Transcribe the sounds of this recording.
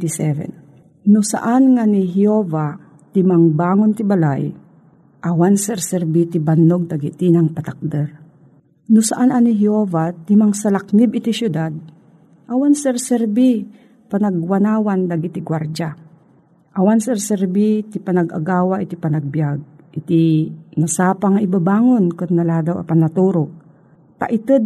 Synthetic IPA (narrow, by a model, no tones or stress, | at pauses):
t̪isɛvɛ̰n | nʊsa̰ʔanŋaniɦɪoːva | t̪ɪmaŋbaːŋont̪ɪbalaj | ʔawansɛɾsɛɾbit̪ɪbanːoɡ̚d̪aɡit̪inaŋpat̪ak̚d̪ɛɾ | nʊsaʔanʔanɪɦɪovat̪ɪmaŋsalak̚nɪbɪt̪isjʊd̪ad̪̚ | ʔɐwansɛɾsɛɾbi | panaɡwanaːwand̪aɡit̪iɡwaɾd͡ʒa | ʔɐwansɛɾsɛɾbit̪ipanɐɡʔa̰ɡaːwaʔɪt̪ipɐnaɡ̚bjaɡ̚ʔɪt̪inasaːpaŋaʔɪbabaːŋonkʊnnɐlaːd̪awʔɐ̰panat̪uːɾo | t̪a̰ʔɪt̪ɛd̪̚